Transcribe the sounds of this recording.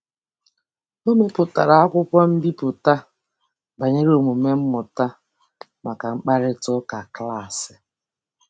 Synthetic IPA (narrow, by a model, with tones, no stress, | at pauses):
o˦me˦pʊ˨ta˨ɾa˨a˦kʷʊ˦kʷɔ˦m̩˦bi˦pʊ˨ta˦ | ba˨ɲe˦ɾo˨mu˨me˦m̩˦mʊ˨ta˦ | ma˨ka˨ŋ͡m̩˦k͡pa˦ɾɪ˦tʊ˦ka˨kla˦˨sɪ̥˨